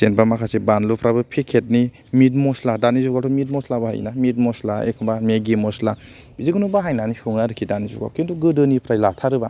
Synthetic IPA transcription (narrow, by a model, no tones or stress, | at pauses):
senbamakʰasibanlupʰɾabɯpʰekʰet̚ni | mit̬̚mɔsladanizuɡatʰɔmit̚mɔslabaha̰j̰namit̚mɔslaḛkʰɔmbameɡimɔsla | biziɡɯnubaɦajnanisoŋaɾɯkʰidanizṵɡa̰wkintuɡɯdɯnipʰɾajlatʰaɾɯba